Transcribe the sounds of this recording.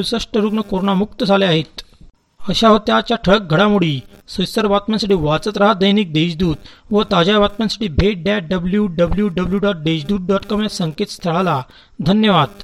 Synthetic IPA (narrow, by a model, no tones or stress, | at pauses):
usəʂʈəɾuːknəkoɾoɳamuk̚t̪əd͡zʱaleaɦet̪ | əɕaɦot̪jat͡ɕjaʈʰəɭək̚ɡʱəɽamuɽiːsəjsəɾʋat̪mjansəʈiːʋat͡sət̪ɾəɦad̪əjniːk̚d̪eɕd̪uːd̪ʋət̪ad͡ʑaʋat̪̚mjãnsə̥ʈʰiːbʱeʈ̚ɖaʈ̚ɖəbljuɖəbljuɖəbljuɖɔʈ̚d̪eɕd̪uːd̪̚ɖɔʈkɔmjasəŋket̪st̪ʰəɭala | d̪ʱənjəʋad̪